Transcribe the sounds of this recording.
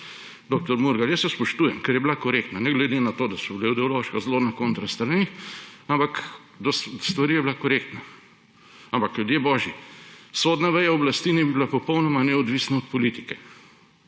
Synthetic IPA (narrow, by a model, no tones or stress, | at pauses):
d̪ok̚t̪ɔɾmuɾɡajəsːɛspɔʃt̪uːjɛmkɛɾjɛblakɔɾekt̪nanɛɡlɛd̪enat̪oːd̪asɔbleid̪ɛɔloʃkazlonakõnt̪ɾast̪ɾaniampak | d̪ɔsst̪ʋaɾijɛbilakɔɾekt̪na | ampakljud̪jebɔːʒjisod̪naʋɛjaɔblast̪inɛbibilapɔpɔwnɔmanɛɔd̪ʋiːsnaɔt̪̚pɔlit̪i̥kɛ